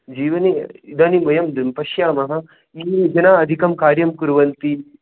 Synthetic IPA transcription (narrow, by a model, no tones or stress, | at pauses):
d͡ʒiːʋɐniid̪ɐnimɐjɐmd̪mpɐʃjaːmɐɦɐ | iːd͡ʒɐnaːɐd̪ʱikɐmkaːɾjɐmkuɾʋɐnt̪i